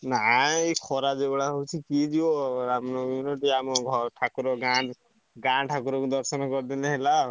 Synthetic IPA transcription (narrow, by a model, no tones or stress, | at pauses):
naikʰɔɾad͡ʒebɔɽaɦowt͡ʃʰikid͡ʒiwɔɾamnɔjuniʈiamɔɡʱɔɾʈʰakuɾɔɡã | ɡãʈʰakuɾɔkd̪ɔɾsɔnkɔɾd̪ileɦela